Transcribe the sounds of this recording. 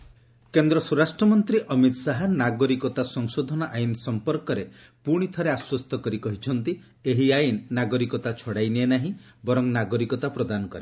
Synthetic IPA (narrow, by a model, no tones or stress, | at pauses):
kend̪ɾɔsuɾasʈɾɔmɔnt̪ɾiʔɔmit̪ɔsaɦanaɡɔɾikɔt̪asɔŋsod̪ʱɔnɔʔajnsɔmpɔɾkɔɾe | puɽ̃it̪ʰɔɾeaswɔst̪ɔkɔɾikɔɦit͡ʃʰɔnt̪i | eɦiajinːaɡɔɾikɔt̪at͡ʃʰɔɽajnienaɦĩbɔɾɔŋnaɡɔɾikɔt̪apɾɔd̪anɔkɔɾe